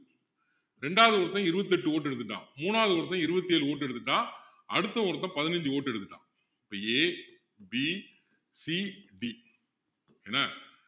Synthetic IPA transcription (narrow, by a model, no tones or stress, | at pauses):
ɾɛɳɖaːʋɐðɯʋɔɾɐt̪ːɐ̃ɪɾɯbɐt̪̬ːiɛʈːɯoːʈ̬ːɛɽɯt̪ːɯʈːã̰ːmuːnaːðɯʋɔɾɐt̪̬ːɐ̃ɪɾɯbɐt̪ːieːlɯoːʈːɛɽɯt̪ːɯʈːãː | ɐɽɯt̪ːɐɔɾɐt̪ːɐ̃pɐðɪnɐɲd͡ʒɯoːʈːɛɽɯt̪ːɯʈːã̰ː | ɪpːɐeː | bi | siɖi | ɛnːɐ